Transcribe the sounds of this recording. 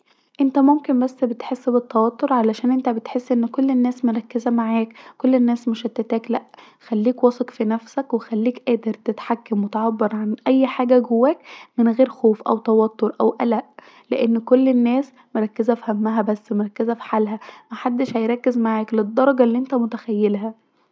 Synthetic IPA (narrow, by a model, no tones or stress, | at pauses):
ʔent̪æmomkenbæsːbet̪ħesːbet̪ːɑwɑt̪ːoɾˤʕalæʃæːnʔent̪æbet̪ħesːʔenːkolːenːæːsmoɾˤɑkːezæmaʕaːkkolːenːæːsmeʃæt̪ːæt̪æːklæʔ | xælːiːkwɑsˤɑkfinæfsækwexælːiːkʔæːd̪eɾt̪et̪ħakːæmwet̪ʕɑbːɑɾˤʕanʔæjːħaːɡæɡowːæːkmenɣeːɾxoːfʔæ̰wt̪ɑwɑt̪ːoɾˤʔæwʔælæʔ | leʔenːkolːenːæːs | moɾˤɑkːezæfihæmːæɦæbæsːmoɾˤɑkːezæfi̥ħalɦæmæħad̪ːeʃhæjɾˤɑkːezmaʕaːkled̪ˤːɑɾˤɑɡɑlːiːʔent̪æmot̪æxæjːelɦæ